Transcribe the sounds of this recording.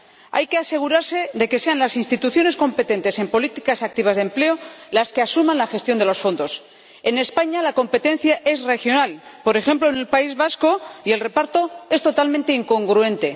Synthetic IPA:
a̰jke̞ase̞ɣ̞uɾaɾse̞ðe̞ke̞se̞anlasinst̪it̪uθjo̞ne̞sko̞mpe̞t̪e̞nt̪e̞se̞mpo̞lit̪ikasak̚t̪iβ̞azðemple̞olaske̞asumãnlaxe̞st̪jo̞nd̪elo̞sfo̞nd̪o̞s | e̞ne̞spaɲalako̞mpe̞t̪e̞n̟θjaʔe̞sre̞xjo̞nalpo̞ɾe̞xe̞mplo̞ene̞lpaizβasko̞ie̞lre̞paɾt̪o̞e̞st̪o̞t̪almẽnt̪e̞iŋko̞ŋɡɾue̞nt̪e̞

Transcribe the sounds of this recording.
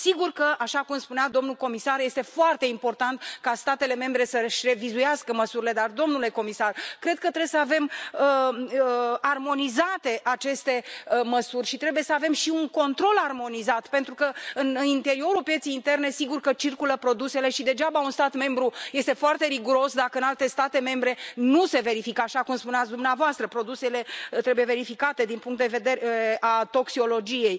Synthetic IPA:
siɡurkəʔaʃakumspunead̪o̞mnulko̞misarje̞st̪e̞foart̪e̞impo̞rt̪ant̪kast̪at̪e̞le̞me̞mbɾe̞səʃre̞vizujaskəməsuɾile̞d̪ard̪o̞mnule̞ko̞misarkɾe̞d̪̥̚kət̪ɾejsəave̞mə | armo̞nizat̪e̞ʔat͡ʃe̞st̪e̞məsurʲʃit̪ɾe̞bujesəave̞mʃiuŋko̞nt̪ɾo̞larmo̞nizat̪pe̞nt̪ɾukəɨnint̪e̞ɾio̞ɾulpjet̪sejint̪e̞rne̞siɡurkət͡ʃirkuləpɾo̞d̪use̞le̞ʃid̪e̞d͡ʒabaunst̪at̪me̞mbɾuje̞st̪e̞foart̪e̞ɾiɡuɾo̞sd̪akəɨnalt̪e̞st̪at̪e̞me̞mbɾe̞nuse̞ve̞ɾifikəaʃakumspuneat̪sd̪umneavoast̪ɾəpɾo̞d̪use̞le̞t̪ɾe̞buje̞ve̞ɾifikat̪e̞d̪inpuŋkt̪d̪eve̞d̪e̞ɾeeʔat̪o̞ksio̞lo̞d͡ʒije̞j

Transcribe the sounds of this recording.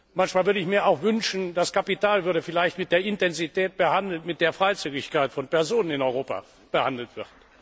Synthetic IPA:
mançmaːlvʏɐdəɪçmiːɐaʊxvʏnʃn̩d̥askapitaːlvʏɐdəfɪlaɪçtmɪt̚d̥eːɐɪntɛnzitɛːt̚b̥əhandl̩tmɪt̚d̥eːɐfʁ̥aɪt͡syːɡɪçkaɪtfɔnpɛɐzoːnənɪnɔʏʁoːpa̰ | b̥əhandl̩tv̥ɪɐt

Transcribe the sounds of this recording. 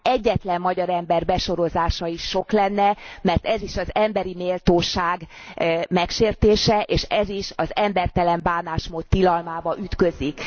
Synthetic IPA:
ɛɟːɛt̪lɛmːɒɟɒɾɛmbɛrbɛʃo̞ɾo̞zaːʃɒiʃːo̞klɛnːɛmɛrt̪ɛziʃɒzɛmbɛɾimeːlt̪oːʃaːɡ | mɛkʃeːrt̪eːʃɛʔeːʃɛziʃɒzɛmbɛrt̪ɛlɛmbaːnaːʃmoːt̪ːilɒlmaːbɒʔyt̪kø̞zik

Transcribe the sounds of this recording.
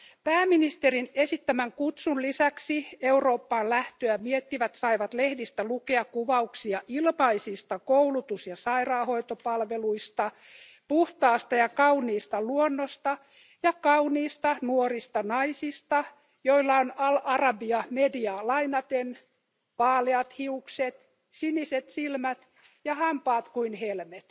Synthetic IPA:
pæːminist̪erinesit̪ːæmæŋkut̪sunlisæksieuro̞ːpːɑːllæht̪øæmiet̪ːiʋæt̪sɑiʋɑt̪lehdist̪ælukeɑkkuʋɑuksiɑʔilmɑisist̪ɑkouwlut̪usjɑsɑirɑːhoit̪opɑlʋeluist̪ɑ | puht̪ɑːst̪ɑjɑkɑuniːst̪ɑluonːost̪ɑ | jɑkɑuniːst̪ɑnuorist̪ɑnɑisist̪ɑ | joilːɑonɑlɑrɑbiɑmediɑːlɑinɑt̪en | pɑːleɑt̪hiukset̪ | siniset̪silmæt̪ | jɑhɑmpɑːt̪kuinhelmet̪

